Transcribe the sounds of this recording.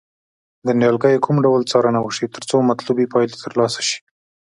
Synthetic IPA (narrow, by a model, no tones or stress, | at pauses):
d̪ənjɑlɡəjekʰumɖawlt͡sɑɾanawəʃit̪əɾt͡somat̪lubipɑjlet̪ʰəɾlɑsḁʃi̥